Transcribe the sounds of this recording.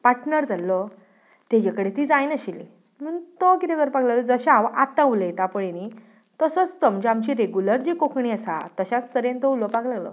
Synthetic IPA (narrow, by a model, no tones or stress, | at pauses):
paʈnəɾd͡zalːɔ | t̪ed͡ʑekəɽet̪iːd͡zajnəɕili | m̤əɳt̪ɔkit̪eɡəɾpaklalɔd͡zəɕaʋʔat̪ãulet̪apəɽeni | t̪əsət͡st̪əmd͡ʑeamt͡ɕiɾeɡjuləɾd͡ʑikokɳiəsa̰t̪əɕat͡st̪əɾent̪ɔulɔpaklaɡlɔ̰